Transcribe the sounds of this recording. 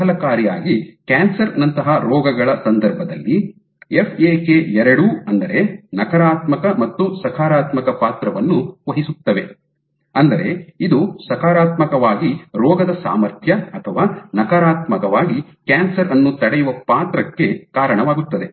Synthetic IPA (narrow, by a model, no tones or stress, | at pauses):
ɦɐlɐkaːɾijaːɡikaːnsɐɾnɐnt̪ɐɦaɾɔːɡɐɡɐɭɐsɐnd̪ɐɾbʱɐd̪ɐlːi | epʰeːkeɛɾɐɽuɐnd̪ɐɾe̞nɐkɐɾaːt̪mɐkɐmɐt̪ːusɐkʰaːɾaːt̪mɐkɐpaːt̪ɾɐʋɐnːuʋɐɦisut̪ːɐʋe̞ | ɐnd̪ɐɾe̞id̪usɐkʰaːɾaːt̪mɐkɐʋaːɡiɾɔːɡɐd̪ɐsa̰ːmɐɾt̪ʰjɐɐt̪ʰɐʋaːnɐkaɾaːt̪mɐkɐʋaːɡi | kaːnsɐɾɐnːut̪ɐɽɛjuʋɐpaːt̪ɾɐkːe̞kaːɾɐɳɐʋaːɡut̪ːɐd̪e̞